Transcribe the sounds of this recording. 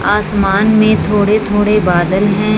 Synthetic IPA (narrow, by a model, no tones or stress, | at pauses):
aːsmaːnmẽt̪ʰoːɽet̪ʰoːɽebaːd̪əlɦɛ̃